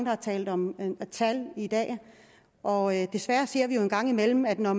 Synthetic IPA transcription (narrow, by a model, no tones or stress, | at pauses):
ŋd̥ɑhɑ̈t͡sʰɛ̰ːld̥ɒ̽mt͡sʰælid̥ɛ̰ː | ʔɒ̽ød̥e̝sʋæɐse̝ɐ̰ʋijo̝e̝nɡ̥ɑ̈ŋ̰imel̰m̩æd̥nɒ